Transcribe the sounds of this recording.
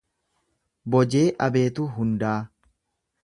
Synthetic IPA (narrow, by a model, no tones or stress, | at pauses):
bɔd͡ʒe̞ːʔɐbe̞ːt̪uɦʊnd̪aː